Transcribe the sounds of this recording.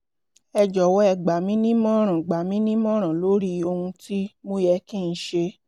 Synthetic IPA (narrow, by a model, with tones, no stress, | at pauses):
ɛ˧d͡ʒɔ˨wɔ˦ɛ˧˨ɡ͡ba˨mĩ˦nĩ˦mɔ̃˦ɾ̃ã˨ɡ͡ba˨mĩ˦nĩ˦mɔ̃˦ɾ̃ã˨lo˨˦ɾi˦o˧hũ˧ti˦mo˦jɛ˧kĩ˦˨n̩˦ʃe˧